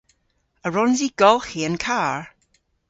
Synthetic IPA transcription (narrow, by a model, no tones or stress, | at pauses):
əɹɔnziɡ̥ɔlˠxiə̃nkʰaːɹ